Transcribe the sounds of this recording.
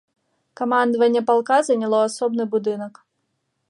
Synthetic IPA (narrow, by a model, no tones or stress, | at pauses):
kɐmand̪ɐvɐnʲːɛpalˠkazɐnʲɐlˠɔasɔbnɨbʊd̪ɨnɐk